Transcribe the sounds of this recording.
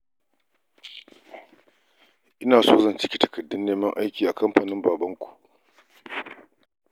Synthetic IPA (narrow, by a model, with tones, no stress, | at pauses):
ʔɪ˦naː˨soː˦zɐ˦nt͡ʃɪ̥˦kʲi˦tɐ̥˨kɐ˨dːʊ˦nːeː˦mɐ˦ŋʔa˦jkʲiː˨ʔa˨kɐ˦mɸaː˨nɪ˦mbaː˨bɐ˦ŋkʷu̥˨ʔ